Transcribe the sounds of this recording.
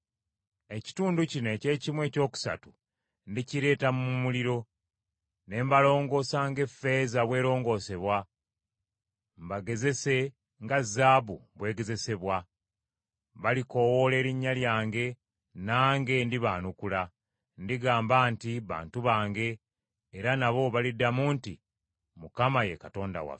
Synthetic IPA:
e̞ci̥tuːnducine̞ːce̞ːcimwe̞ːco̞ːku̥sa̰tu | ndiciɾe̞ːtamumuliɾo̞ | ne̞mbalo̞ːŋɡo̞ːsaːŋɡe̞fe̞zaβwe̞ːɾo̞ːŋɡo̞ːse̞βwa | mbaɡe̞ze̞se̞ | ŋɡazːaːβuβwe̞ːɡe̞ze̞se̞βwa | βaliko̞wole̞ːɾiɲːaljaːŋɡe̞ | naːŋɡe̞ndiβaːnukula | ndiɡaːmbaːntiβa̰ːntuβaːŋɡe̞ː | ɾanaβo̞βalidamuːnti | mukamaje̞kato̞ːnda̰wa̰fe

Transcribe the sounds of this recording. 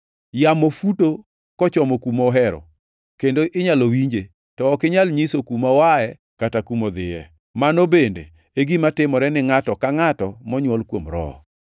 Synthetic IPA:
jamɔfuto | kɔt͡ʃɔmɔkumɔɦɛɾɔ̰ | kendoʔɪɲalowiɲd͡ʒe | tɔːkɪɲalɲisokumawaɛ | katakumod̪ɪjɛ̰ | manobendḛ | eɡimatɪmɔɾɛnɪŋatɔkaŋatɔmɔɲwɔlkwomɾɔ̰

